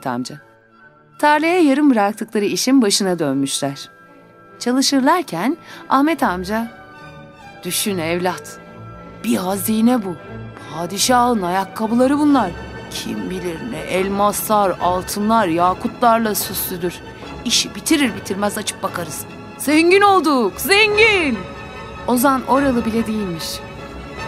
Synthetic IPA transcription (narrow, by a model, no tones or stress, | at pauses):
t̪ʰa̰md͡ʒa | t̪ʰaɾlʲejɛjaɾɯnbɯɾak̚t̪ʰɯklˠaɾɯiʃinbaʃɯnad̪ønmyʃlʲæɾ̝̥ | t͡ʃʰalˠɯʃɯɾlˠaɾcʰæna̰hmɛt̪ʰamd͡ʒa | d̪̥yʃynɛvlʲat̪b̥iɦaziːnɛbupʰaːd̪iʃaːɯnajakʰːabulˠaɾɯbunlˠaɾ̥cʰimbilʲiɾnɛ̰ʔɛlʲmast̪aɾalˠt̪ʰɯnlˠaɾjaːkʰut̪lˠaɾlˠasysyd̪yɾ̥ | iʃibit̪ʰiɾiɾbit̪ʰiɾmæzat͡ʃʰɯ̥k̚bakʰaɾɯz̥ | z̥ɛɲɟino̞lˠd̪ukzɛɲɟin | o̞zamanʔo̞ɾalˠɯbilʲed̪ijilʲmiʃ